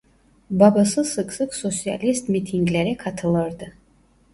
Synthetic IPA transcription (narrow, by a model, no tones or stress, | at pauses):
babasɨsɨksɨksɔsia̰list̪mit̪ʰiŋɡlɛɾɛkʰat̪ʰəlˠəɾd̪